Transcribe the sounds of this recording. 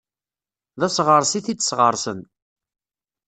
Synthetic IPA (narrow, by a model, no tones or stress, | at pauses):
ðæsʁəɾˤsiθit͡sːsʁəɾˤsən